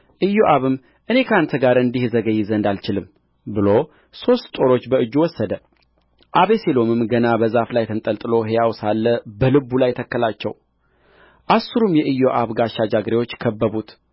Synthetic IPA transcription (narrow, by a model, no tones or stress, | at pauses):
ʔɨjːoʔaβɨmː | ʔɨne̞kʰəant̪ʰəɡaɾɨnd̪ihzəɡəjːɪzənd̪alt͡ʃɪlɨm | bɨlo | so̞st̪t̪ʼo̞ɾo̞t͡ʃːbəɨd͡ʒːuwɔsːəd̪ə | ʔaβe̞selo̞mɨmɡənabəzaflajt̪ʰɨnt̪ʼəlt̪ʼɨlo̞ɦejawsalːəbəlɨbːulajt̪ʰəkːəlat͡ʃːɛ̰w | ʔasɨɾumjɛʔɨjːoʔaβɡaʃad͡ʒaɡɾewo̞t͡ʃːkʰəbːəβut̪